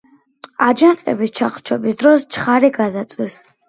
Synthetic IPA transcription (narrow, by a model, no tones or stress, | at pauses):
ad͡ʒanqʼɛ̰bist͡ʃʰaχt͡ʃʰɔbisd̪ɾɔst͡ʃʰχaɾiɡad̪at̪sʼwis